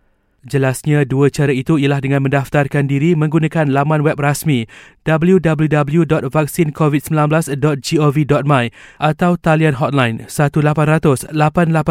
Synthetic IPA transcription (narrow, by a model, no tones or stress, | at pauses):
d͡ʒəlasɲãduət͡ʃaɾait̪uijalahdəŋãnmə̃ndaft̪arkandiɾimə̃ŋɡunãkanlamãnwɛp̚rasmĩd̥abəljudabəljudabəljudɔt̪̚vak̚sinkovit̪̚səmbilanblasdɔt̪̚d͡ʒiovidɔt̪̚mãjʔat̪awt̪alianɦɔt̪̚lajnsat̪ulapanrat̪ʊslapanlapa